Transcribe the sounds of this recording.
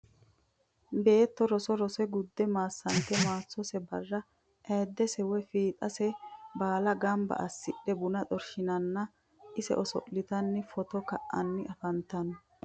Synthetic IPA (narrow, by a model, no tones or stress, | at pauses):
be̞ːt̪ːɔɾɔsɔɾɔsɛɡʊd̪ːɛmaːsːɐnt̪ːɛmaːt͡sːɔsɛbɐrːɐ | ʔɛjd̪ːɛsɛwɛfiːt̪ʼɐsɛbaːlɐɡɐmbɐ̰ʔɐsːɪɗːɛbʊnɐt̪ʼɔɾʃɪnɐnːɐ | ʔɪsɛ̰ʔɔsɔ̰ʔlɪt̪ɐnːɪfɔt̪ɔkɐʔːɐ̰nːɪʔɐfɐnt̪ɐnɔ